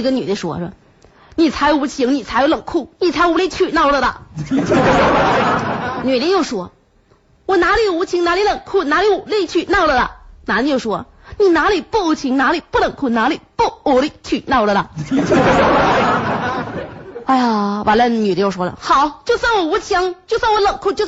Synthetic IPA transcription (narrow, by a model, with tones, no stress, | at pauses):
ə˧ny̰˨˩li˧˥˩ʂwɔ̰˧˥˩b̰ | ni˨˩t͡sʰa˧˥ɪjo˧˩u˧˥t͡ɕʰi˧˥ŋni˨˩t͡sʰa˧˥ɪjo˧˥ʊlɤ˨˩ŋkʰu˥˩ni˨˩t͡sʰa˧˥ju˧˥li˧˩t͡ɕʰy˥˨˩nɑ˥˩ʊlə˨˩lə̰˨˩˧ | ny˨˩li˧˥˧jo˥˩ʊʂwɔ˥ | wɔ˨˩na˧˥li˨˩u˧˥t͡ɕʰi˧˥ŋna˧˥li˧˥lə˨˩ŋkʰu˥˩na˧˥li˧˥u˨˩li˥˧t͡ɕʰy˥˩nɑ˥˩ʊlə˨˩lə̰˨˩na˧˥li˧˩˥jo˥˩ʊʂwɔ˥ | ni˨˩na˧˥li˨˩pu˥˩u˧˥t͡ɕʰi˧˥ŋna˧˥li˨˩pu˥˩lɤ˨˩ŋkʰu˥˩na˧˥li˨˩pu˥˩u˧˥li˧˩t͡ɕʰy˥˩nɑ˥˩ʊlə˨˩ə̰˩˥˧ | a˥˩ɪa˨˩wʔa̰˧˥nlə˧ny˨˩li˥jo˥˩ʊʂwɔ˧˥lə̰˧˩xɑ˨˩˦ʊt͡ɕjo˥˧ʊsa˥˩ŋwɔ˨˩u˧˥t͡ɕʰi˧˥ŋt͡ɕjo˥˧ʊswŋwɔ˧˥lɤ˨˩ŋkʰu˥˧t͡ɕjo˥˧ʊ